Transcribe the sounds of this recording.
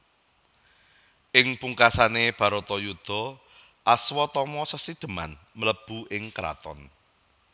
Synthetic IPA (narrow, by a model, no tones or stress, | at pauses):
ʔɪŋpuŋkasaneb̥a̤ɾot̪ɔjud̪̥ɔ̤ | ʔaswɔt̪ɔmɔsəsid̪̥ə̤ma̰n | mələb̥ṳʔɪŋkəɾa̰t̪ɔ̰n